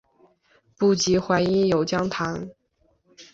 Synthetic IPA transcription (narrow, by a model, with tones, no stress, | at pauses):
pu˥˩t͡ɕi˧˥xwa˧˥ni˧˥ŋjo˨˩ʊt͡ɕjɑ˥ŋt̪ʰa˧˥n